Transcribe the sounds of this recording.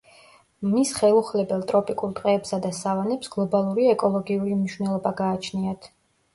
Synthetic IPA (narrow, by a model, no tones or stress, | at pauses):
misχɛlˠuχlɛbɛlˠt̪ʼɾɔpʼikʼuɾt̪ʼqʼɛːpsad̪asavanɛpsɡ̥lˠɔbalˠuɾiɛkʼɔlˠɔɡiulimniʃwvnɛlˠɔbaɡaːt͡ʃʰniat̪ʰ